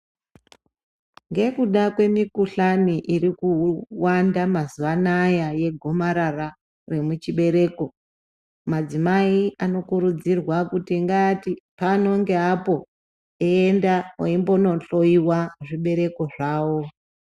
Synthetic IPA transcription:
ŋɡe̞kuɗakwe̞mikuɬaniʔirikuwandamazuʋanajaje̞ɡʱo̞maɾara | re̞mut͡ʃiɓe̞ɾe̞ːko̞ | mad͡zimaiano̞kuɾud͡zirwakutiŋɡatipano̞ŋɡe̞apo̞ | eendawaimbo̞no̞ɬo̞iwaʐiɓe̞ɾe̞ko̞ʐaːwo̞

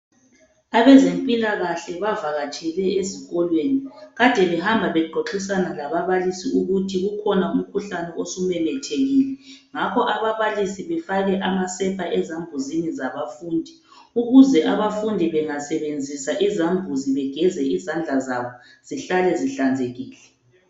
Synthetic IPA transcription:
aβɛzempʼilaɣaɬɛβavaɣat͡ʃʰʼɛlɛeziɣɔlweniɣatɛlihambʱaβɛɡ͡ǃʱɔǁisanalaβaβalisiuɣutʰiɣukʰɔnaum̩kʰuɬanɛosumɛmɛtʰeɣiːlɛŋakʰɔʔaβaβalisiβɛfaɣɛʔamasɛpʰaʔɛzambʱuzinizaβafuːndʱi | uɣuzɛʔaβafundʱiβɛŋasɛβend͡zʱisaʔizambʱuziβɛɡ̥ʱɛzɛizand͡ɮʱazaβɔ | z̥iɬalɛziɬand͡zʱeɣiːlɛ

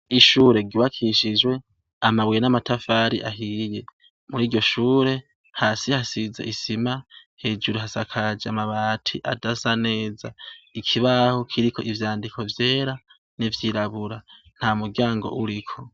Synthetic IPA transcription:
iʃuːɾe̞ɡiβakʰiʃid͡ʒwe̞ | amawijenamatafaːɾiʔaɦiːje̞ | muɾiːɟo̞ʃuːɾe̞ | haːsihasiza̰isimahe̞ːd͡ʒuɾuɦasakʰad͡ʒeamaβaːtʰḭʔadasane̞ːzaikʰiβahokʰiɾikʰo̞ʔivjaːndikʰo̞vje̞ːɾa | nivjiːɾaβuɾa | n̥hamuɾɡaːŋɡo̞̰ʔuɾikʰo̞

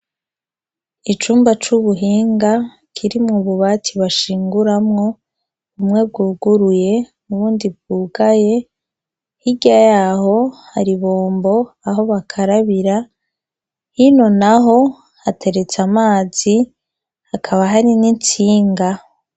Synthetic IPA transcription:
it͡ʃuːmbat͡ʃuβuɦiːŋɡa | kʰiɾimŋuβuβatʰiβaʃiːŋɡuɾamŋo̞ | umŋe̞b̚ɡuːɡuɾuje̞nuβuːndib̚ɡuːɡaje̞ | hiɡajaːho̞haɾiβoːmbo̞ | aɦo̞βakʰaɾaβiɾa | hino̞naɦo̞ | hatʰe̞ɾe̞t͡samaːzi | akʰaβaɦaɾinint͡siːŋɡa

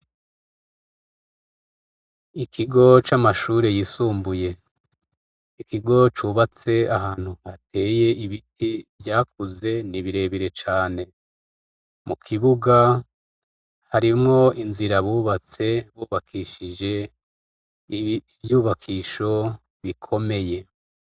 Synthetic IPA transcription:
ikʰiɡo̞t͡ʃamaʃuːɾe̞jisuːmbuje̞ | ikiɡo̞t͡ʃuːβat͡se̞ahaːn̥huhatʰe̞ːje̞ʔiβitʰivjaːkuze̞niβiɾe̞ːβiɾe̞t͡ʃaːne̞ | mʔukʰiβuɡa | haɾimŋo̞inziɾaβuːβat͡se̞βuːβakʰiːʃid͡ʒe̞ | vjuːβakʰiːʃo̞ | βikʰo̞me̞je̞

